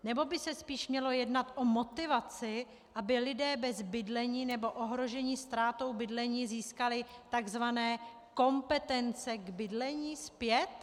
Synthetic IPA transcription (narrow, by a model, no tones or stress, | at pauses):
nɛbo̞bɪsɛspiːʃmɲɛlo̞jɛdnat̪ʔomo̞t̪ɪvat͡sɪ | ʔabɪlɪdɛːbɛzbɪdlɛɲiːnɛbo̞ʔoɦɾo̞ʒɛɲiːst̪ɾaːt̪o̞wbɪdlɛɲiːziːskalɪt̪aɡzvanɛː | ko̞mpɛt̪ɛnt͡sɛɡbɪdlɛɲiːspjɛt̪